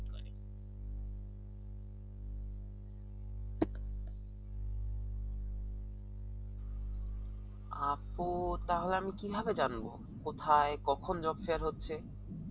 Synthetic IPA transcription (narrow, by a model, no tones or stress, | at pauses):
apot̪aɦoleamikibʱabed͡ʑanbo̰ | kot̪ʰaekɔkʰond͡ʑɔbfeaɾɦotːɕʰe